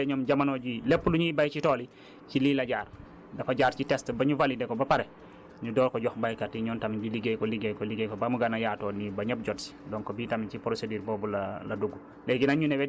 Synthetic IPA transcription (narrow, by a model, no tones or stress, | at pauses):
ɛɲɔmɟamanɔɟilɛpːuluɲubajt͡ʃitɔːli | ciliːlɐɟaːr | dɐfaɟaːɾcitɛstbɐɲuvalidɛkɔbɐpaɾɛ | ɲudɔːlkɔɟɔxbajkatiɲɔːntamibiliɡejkɔliɡejkɔliɡejkɔbamuɡanajaːtɔːnibɐɲɐp̚ɟɔtsi̥dɔŋkɔbiːtamit͡ʃipɾosediːɾbɔːbulalɐduɡːu | lɛɡinaɲunɛwɛ